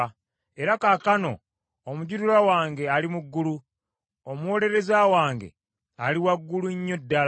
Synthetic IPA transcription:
e̞ɾakakano̞̰ | omuɟuɾuɾawaːŋɡe̞alimuɡːulu | omuwo̞ːle̞ɾe̞zaːwaːŋɡe̞̰ | aliwaɡːuluɲːodːal

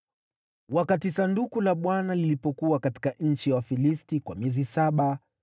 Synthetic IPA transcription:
wakatisandukulaɓwanalilipɔkuwakati̥kaɲ̩t͡ʃiwafilistikwamiɛzisaɓa

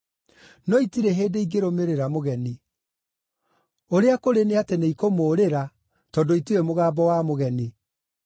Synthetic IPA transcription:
nɔitiɾeɦeːdeiɡeɾomeɾeɾamoɣɛni | oɾeakoɾeneateneikomoːɾeɾa | tɔdoituemoɣaːbɔwamoɣɛni

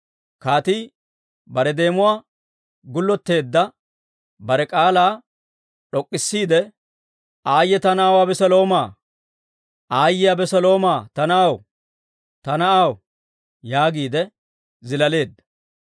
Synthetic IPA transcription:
kaːt̪iː | bɐɾɛd̪e̞ːmʊwaː | ɡʊlːɔt̪ːe̞ːd̪ːɐ | bɐɾɛkʼaːlaː | ᶑɔkʼːɪsːiːd̪ɛ | ʔaːjːɛt̪ɐnaːwaːbɛsɛlo̞ːmaː | ʔaːjːɪjabɛsɐlo̞ːmaːt̪ɐnɐaw | t̪ɐnɐaw | jaːɡiːd̪ɛ | zɪlɐle̞ːd̪ːɐ̥

